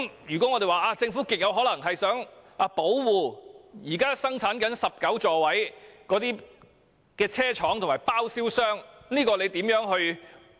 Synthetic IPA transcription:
mjyː˨˩kɔː˨˥ŋɔ˨˧t̪e˨jwaː˨ʔaː˧t͡sɪ˧ŋfuː˨˥kɪ˨k̚jɐ˨˧wɦɔː˨˥lɐ˨˩ŋɦɐ˨jsœː˨˥ŋaː˧po˨˥wwuː˨jiː˨˩kaː˥sɐ˥ŋt͡sʰaː˨˥nkɐ˨˥nsɐ˨p̚kɐ˨˥wt͡sɔː˨wɐ˨˥jkɔː˨˧˥t̪iː˥ | kɛː˧t͡sʰɛː˥t͡ʃʰɔː˨˥ŋt̪ʰʊ˨˩maː˨˩jpaː˥wsiː˥wsœː˥ŋniː˥kɔː˧le˨˧jt̪iː˨˥mjœː˨˥ŋɦɵ˧ɥ

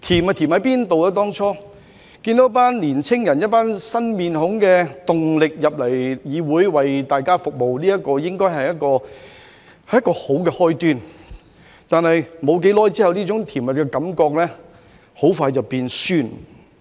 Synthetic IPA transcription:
t̪ʰiː˨˩mɐ˧t̪ʰiː˨˩mhɐ˨˥jpiː˥nt̪o˨wɐ˧˥t̪̬ɔː˥ŋt͡ʃʰɔː˥ | kiː˧nt̪o˨˥paː˥nliː˨˩nt͡sʰɪ˥ŋjɐ˨˩njɐ˥t̚paː˥nsɐ˥nmiː˨˧nɦʊ˨˥ŋkɛː˧t̪ʊ˨ŋlɪ˨k̚jɐ˨p̚lɐ˨˩jjiː˨˧wuː˨˥jwɐ˨jt̪aː˨jkaː˥fʊ˨k̚mo˨wliː˥ɐ˥t̚kːɔː˧jɪ˥ŋkɔː˥jɦɐ˨jɐ˥t̚kɔː˧ | hɐ˨jːɐ˥tkɔː˧ho˨˥wkɛː˧hɔː˥jt̪yː˥n | t̪aː˨nɦɐ˨jmo˨˧wk̬e˨˥jlɔː˥jt͡siː˥hɐ˨wniː˥t͡sʊ˨˥ŋt̪ʰi˨˩mɐ˨t̚kɛ˧kɐ˨˥mkɔː˧k̚lɛː˥ | ho˨˥wfaː˧jt͡sɐ˨˩wpiː˧nsyː˥n

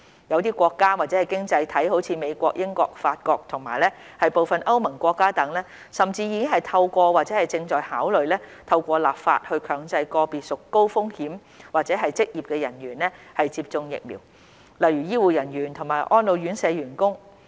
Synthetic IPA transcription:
jɐ˨˧wt̪iː˥kʷɔː˧kːaː˥waː˨˩t͡sɛ˨˦˥ɐ˨jkɪ˥ŋt͡sɐ˧jt̪ʰɐ˨˥jho˨˥wt͡sʰiː˧me˨˧jkʷɔː˧k̚jʔɪ˥ŋkɔː˧k̚faː˧t̚kɔː˧k̚t̪ʰʊ˨˩ŋma̰ː˨˩jlɛː˥ | hɐ˨jpo˨wfɐ˨nʔɐ˥wmɐ˨˩ŋkʷɔː˧kːaː˥t̪ɐ˨˥ŋlɛː˥ | sɐ˨mt͡siː˧jiː˨˧kɪ˥ŋɦɐ˨jt̪ʰɐ˧wkʷɔː˧wa˨t̚t͡sɛː˨˥hɐ˨˩jt͡sɪ˧ŋt͡ʃɔː˨jhaː˨˥wlɵ˨ɥlɛː˥t̪ʰɐ˧wkʷɔː˧la̰ː˨p̚fa̰ː˧t̚hɵ˧ɥkʰœː˨˧˥ŋt͡sɐ˧jkɔː˧piː˨˩t̚sʊ˨kːo˥wfʊ˥ŋhiː˨˥m | waː˨t̚t͡sɛː˨˥ɦɐ˨jt͡sɪ˥k̚jiː˨p̚kɛː˧jɐ˨˩nɥyː˨˩nlɛː˥ | hɐ˨jt͡siː˧p̚t͡sʊ˧ŋjɪ̰˨k̚mḭː˨˩w | lɐ˨˩jɥyː˨˩jiː˥wuː˨˩jɐ˨˩nɥyː˨˩nt̪ʰŋmaː˨˩jʔɔː˥nlo˨˧wjyː˨˥nsɛː˨˧ɥyː˨˩nkʊ˥ŋ

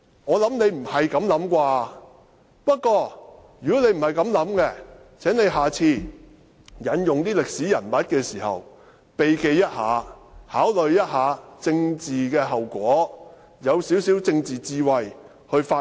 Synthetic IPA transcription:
ŋɔː˨˧lɐ˨˥mne˨˧jm̩˨˩hɐ˨jkɐ˨˥mlɐ˨˥mkʷaː˧ | pɐ˥t̚kʷɔː˧jyː˨˩kɔː˨˥ne˧jm̩˨˩hɐ˨˩jkɐ˨˥mlɐ˨˥mkɛ˧ | t͡sʰɛː˨˥ŋne˨˧jɦaː˨˩t͡sʰiː˧ | jɐ˨˥njʊ˨ŋt̪iː˥lɪ˨k̚siː˨˥jɐ̰˨˩nmɐ˨˥t̚kɛː˧siː˨˩hɐ̰˨w | pe˨jke˧jːɐ˥t̚haː˨˧haː˨˥wlɵ˨ɥjɐ˥t̚haː˨˧t͡sɪ˧ŋt͡siː˨kɛː˧ɦɐ˨wkʷɔː˨˥ | jɐ˨˧wsi˨˥wsiː˨˥wt͡sɪ˧ŋt͡siː˨˩t͡siː˧wɐ˨j | hɵ˧ɥfaː˧

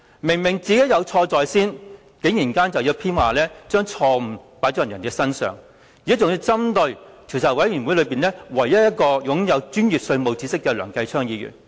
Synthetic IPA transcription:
mɪ˨˩ŋmɪ˨˩ŋt͡siː˨˧ke˨˥jɐ˨˧wt͡ʃʰɔː˧t͡sɔː˨jsiː˥n | ke˨˧˥ŋjiː˨˩nkaː˥nt͡sɐ˨wjiː˨˧wpʰiː˥nwaː˨lɛː˥t͡ʃœː˥ŋt͡ʃʰɔː˧m̩˨˩paː˨˥jt͡sɔ˧˥˨jɐ˨˩nkɛ˧sɐ˥nsœ̰ː˨˩ŋ | jiː˨˥t͡ʃʊ˨ŋji˧wt͡sɐ˥mt̪ɵ˧ɥt͡sʰiː˨˩t͡sʰɐ˨˩wɐ˨˥jjyː˨˩nwu˨˥lɵ˨˧piː˨nlɛː˥wɐ˨˩jjɐ˥t̚jɐ˥t̚kɔː˧jʊ˨˥ŋjɐ˨˧wt͡ʃyː˥njyː˨p̚sɵ˧ɥmo˨wt͡si˨˥sɪ˥kːɛː˧lœ̰ː˨˩ŋkɐ˧jt͡ʃʰœː˥ŋjiː˨˧jy̰ː˨˩n

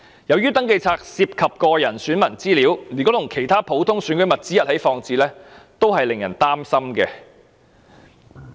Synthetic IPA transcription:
jɐ˨˧wjyː˥t̪ɐ˨˥ŋke˧jt͡sʰaː˧k̚siː˧p̚kʰɐ˨p̚kɔː˧jɐ˨˩nsyː˨˥nmɐ˨˩nt͡siː˥liː˨˥wliː˨˩nkɔː˨˥t̪ʰʊ˨˩ŋkʰe˨˩jt̪ʰaː˥pʰo˨˥wt̪ʰʊ˥ŋsyː˨˥nkʰɵ˨˥mɐ˨t̚t͡siː˥jɐ˥t̚hɐ˨˥jfɔː˧ŋt͡siː˧lɛː˥t̪o˥wɦɐ˨jlɪ˨ŋjɐ˨˩nt̪aː˥msɐ˥mkɛː˧

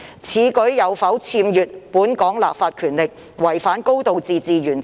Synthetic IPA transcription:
t͡sʰiː˨˥kɵ˨˥jɐ˨˧wfɐ˨˥wt͡sʰiː˧mjyː˨t̚puː˨˥nkɔː˨˥ŋla̰ː˨p̚faː˧t̚kʰyː˨˩nlɪ˨k̚ | wɐ˨˩jfaː˨˥nko˥wt̪o˨wt͡siː˨t͡siː˨jyː˨˩n

